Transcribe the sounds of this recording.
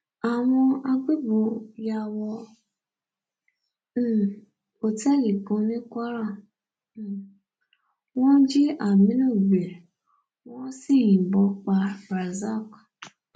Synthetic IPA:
a˨ŋʊ˦a˦ɡ͡be˦bo˨ja˦wɔ˦˨ | o˨te˦ɣi˨po˨˦ni˦kʷa˦ɾa˦˨ | ŋɔ˦d͡ʒi˦ʔa˨mi˦no˦˨be˨ɾe˨ | ŋɔ˦si˦ɣi˨bɔ˨k͡pa˨ɾa˨za˦˨kḁ˨

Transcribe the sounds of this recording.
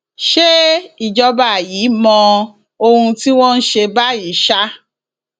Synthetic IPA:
ʃe˦i˨d͡ʒɔ˧ba˨jiː˨˦mɔ̃˧ | o˧hũ˧ti˦w̃ɔ̃˦n̩˦ʃe˧ba˦i˨˦ʃa˦

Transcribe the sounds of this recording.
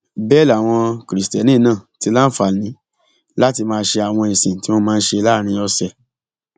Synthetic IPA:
bɛː˦˨la˨w̃ɔ̃˧kɾi˨stɛ˨nĩː˦˨nãː˦˨ti˧˦la˦n̩˦fa˨nĩ˨˦ | la˦ti˧mãː˧˦ʃe˧a˨w̃ɔ̃˧ĩ˨sĩ˨ti˦wɔ˦mãː˦˧n̩˦ʃe˧la˦˨ɾ̃ĩ˧˦ɔ˧sɛ˨

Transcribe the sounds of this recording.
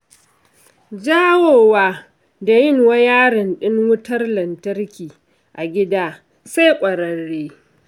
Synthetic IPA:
d͡ʒaː˦woː˨waː˦ | da˨jɪ˦˨ŋwɐ˦jaː˦ɽɪ˨nɗɪ˦ŋwʊ˦tɐ˦rlɐ˨ntɐ˦rkʲiː˨ | ʔa˨ɡʲɪ˦daː˦ | sa˦jkʷʼɐ˨ɾɐ˨ɽːeː˦

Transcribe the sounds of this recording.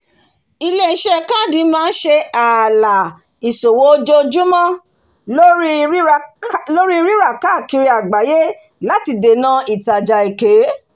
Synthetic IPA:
i˧le˦˨˦ʃɛ˦˨kã˦˨dĩ˨˦mãː˦˧n̩˦ʃe˧a˨la˨ | i˨so˨wo˨˦˧d͡ʒo˧d͡ʒu˦mã˦ | lo˦ɾi˦i˧ɾi˦ɾa˦˨ka˦˨ki˧ɾi˧a˨ɡ͡ba˨je˦ | la˦ti˧de˨nã˧i˨ta˨d͡ʒa˨e˨ke˨˦

